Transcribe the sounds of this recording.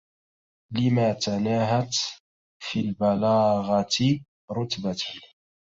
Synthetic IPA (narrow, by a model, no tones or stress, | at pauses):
lɪmaːt̪anaːɦat̪ | fiːlbalaːɣɑt̪ɪ | ɾʊt̪bat̪h